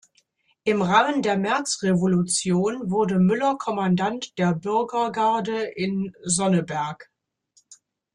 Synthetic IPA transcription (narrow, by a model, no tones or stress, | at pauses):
ʔɪmʁaːməndeːɐmɛɐt͡sʁevolut͡sjoːnvʊɐdəmʏlɐkʰɔmandantd̥eːɐbʏɐɡɐɡaɐdəʔɪnzɔnəbɛɐk